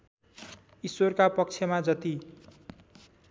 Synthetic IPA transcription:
isworkapʌk̚t͡sʰjʌmad͡zʌt̪i

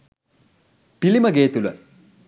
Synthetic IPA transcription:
pilimɐɡeːt̪ulɐ̰

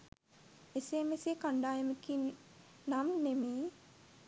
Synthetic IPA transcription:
esemesekaɳɖaːjemekin | namnemiː

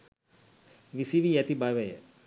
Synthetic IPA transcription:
ʋisiʋiæt̪ibaʋɐjə

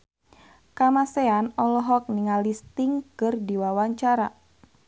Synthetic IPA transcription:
kamaseanɔlɔɦɔk̚niŋalist̪iŋkɨrdiwawaɲt͡ʃaɾa

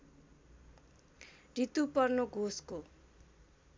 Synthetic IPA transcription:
rit̪upʌrnoɡʱosko

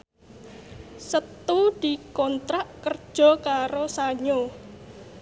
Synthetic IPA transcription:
sət̪ud̪̥i̤kɔnt̪ɾaʔkərd̥ʒ̥ɔ̤kaɾosaɲo

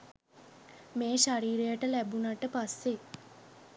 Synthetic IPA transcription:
meːʃaɾiːɾejəʈəlæbunaʈəpasːe

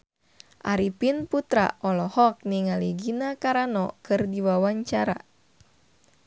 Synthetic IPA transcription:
ʔaɾipinput̪ɾa̰ʔɔlɔhɔk̚niŋaliɡinakaɾanɔ̰kɨrdiwawaɲt͡ʃaɾa

